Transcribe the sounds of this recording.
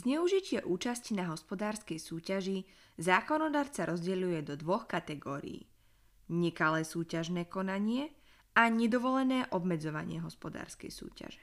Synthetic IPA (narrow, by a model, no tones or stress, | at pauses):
zɲɛuʒicɪɛʔuːt͡ʃascnaɦɔspɔd̪aːɾskɛjsuːcaʒi | zaːkɔnɔd̪aːɾt͡saɾʔɔzɟɛʎujɛd̪ɔd̪ʋɔxkat̪ɛɡɔːɾḭiː | ɲɛkalɛːsuːcaʒnɛːkɔnaɲɪɛ | aɲɛd̪ɔʋɔlɛnɛːʔɔbmɛd͡zɔʋa̰ɲɪɛɦɔspɔd̪a̰ːɾskɛ̰jsṵːca̰ʒɛ̥